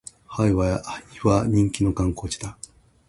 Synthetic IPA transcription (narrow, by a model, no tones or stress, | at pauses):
haiβaiβaɲĩŋkʲino̞kãŋko̞ːt͡ɕi̥t̪a